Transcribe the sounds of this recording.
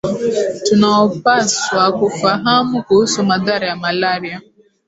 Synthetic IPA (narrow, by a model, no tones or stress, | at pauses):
tʊnaɔpaswakʊfaɦamʊkosɔmadaɾɪamalaɾia